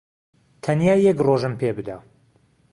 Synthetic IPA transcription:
t̪ʰɐnjaːjːɛkroʒɨmpʰeːbɨd̪a

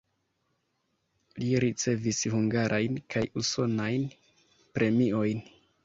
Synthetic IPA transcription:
liɾit͡se̞vishuŋɡaɾʔajnkʰajuso̞najn | pɾe̞mio̞jn

